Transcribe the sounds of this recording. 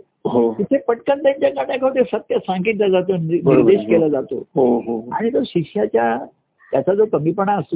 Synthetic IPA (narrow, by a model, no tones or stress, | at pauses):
ɦot̪it̪ʰepəʈkənt̪jãɲt͡ɕjakaʈjãkʰaʋt̪esət̪jasãŋɡit̪lad͡zat̪onniɾd̪eɕkelad͡zat̪o̰ɦoɦoa̰ɽ̃it̪oɕiɕjat͡ɕja | t̪jat͡sad͡zokəmipəɳaəso